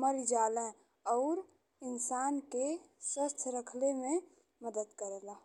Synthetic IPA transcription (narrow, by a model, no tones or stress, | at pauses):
məɾid͡ʒalɛ̃ | ɔʊɾ | ɪnsaːnkeswəst̪ʰɾəkʰlemẽ | məd̪əd̪kəɾela